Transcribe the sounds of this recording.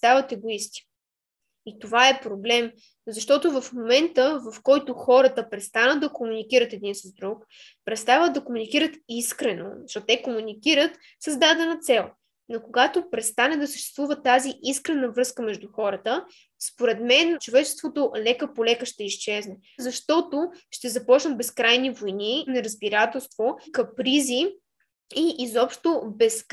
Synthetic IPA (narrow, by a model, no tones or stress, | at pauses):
t̪st̪avət̪ɛɡoist̪i̥ | it̪ovaɛpɾoblɛm | zɐʃt̪ɔt̪ovɐfmomɛnt̪əvɐfkɔjt̪ʊxɔɾət̪əpɾɛt̪st̪anəd̪ɐkomunikiɾət̪ɛd̪insəzd̪ɾuk | pɾɛt̪st̪avət̪d̪ɐkomunikiɾət̪iskɾɛno̰ʃɔt̪ɛkomunikiɾət̪ | səzd̪ad̪ɛnət̪sɛlˠ | nɐkoɡat̪opɾɛt̪st̪anɛd̪ɐsəʃt̪ɛ̥st̪vuvət̪aziʔiskɾɛnəvɾɤskəmɛʒd̪uxɔɾət̪ə | spoɾɛt̪mɛnt͡ʃovɛt͡ʃɛ̥st̪vot̪olɛkəpolɛkəʃt̪ɛiʃt͡ʃɛznɛ | zɐʃt̪ɔt̪oʃt̪ɛzɐpɔt͡ʃnət̪bɛskɾajnivojninɐɾəzbiɾat̪ɛlˠst̪vokɐpɾizi | iːzɔpʃt̪obɛs